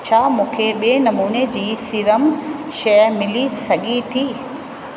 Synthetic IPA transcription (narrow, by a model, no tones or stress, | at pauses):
t͡ɕʰaːmũːkʰeɓeːnɐmuːned͡ʑiːsiɾəmʃɐmɪlisɐɠʱit̪ʰiː